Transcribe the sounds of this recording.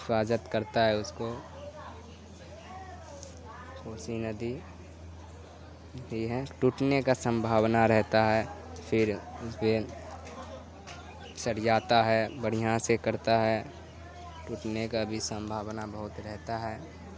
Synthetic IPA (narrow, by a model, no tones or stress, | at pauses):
ɪfaːd͡ʒət̪kəɾt̪aɦɛʊsko | kʰoːsinəd̪i | ɦiɦɛʈuʈnekasə̃mbʱaːwnaɾɛɦt̪aɦɛpʰɪɾʊsbe | səɾd͡ʒaːt̪aɦɛbəɽ̤iɦãsekəɾt̪aɦɛ | ʈuːʈnekaəbʱisə̃mbʱaːwnabəɦʊt̪ɾɛɦt̪aɦɛː